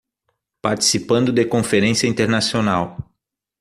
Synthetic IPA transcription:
paɾt͡ʃi̥sipɐ̃nd̪ʊd̪ekõfeɾẽsiɐĩnt̪eɾnasionaw

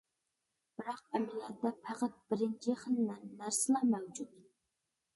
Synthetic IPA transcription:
b̥ɪɾɑq̚ɛmɪljɛt̪ːɛpʰæqæt̪̚b̥ɪɾɪnt͡ʃʰiχəlnɛnːæɾsɪlˠɑmɛwd͡ʒut̪

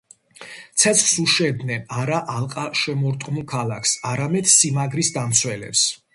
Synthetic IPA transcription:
t̪sʰɛt̪sʰχsuʃɛd̪nɛnaɾaʔalˠqʼaʃɛmɔɾt̪ʼqʼmukʰalaksaɾamɛd̪̥simaɡɾisd̪amt̪sʰwɛlɛ̰ps

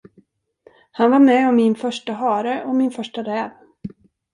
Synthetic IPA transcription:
hanvaɾmɛɔmːɪnfœʂʈaɦɑːɾəʔɔmɪnfœʂʈaɾɛːv

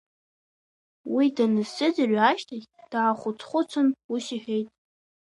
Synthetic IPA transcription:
widanɨsɨd͡zarʷaʃtʰaɡʲd̥aːχʷʊt͡sʰʼχʷʊt͡sʷʰʊnusiħejtʼ

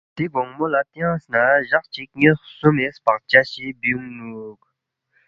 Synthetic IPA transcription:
t̪eɡoŋmolat̪ejɑ̃ŋsnaʑaχt͡ɕik̚ŋesumespat͡ɕaɕibiuŋnuk̚

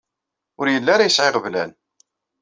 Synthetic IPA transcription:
ʊɾjəlːaɾajəsʕeʁvlæn

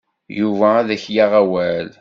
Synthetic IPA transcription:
juvæðæçjaʁæwæl

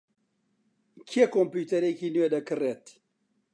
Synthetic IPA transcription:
kʰiekompuːt̪ɐɾekiːnuwed̪ɐkɨreːt̪

